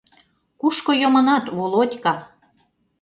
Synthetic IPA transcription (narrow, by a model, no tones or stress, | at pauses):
kuʃkojomɤnɑt̪βolot̪ʲkɑ